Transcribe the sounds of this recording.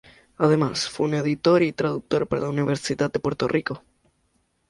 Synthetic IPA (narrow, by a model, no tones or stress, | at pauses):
aðemasfweuneðit̪oɾit̪ɾaðuk̚t̪oɾpaɾa̰launiβ̞eɾsiðat̪̚d̪e̞pweɾt̪orʔiko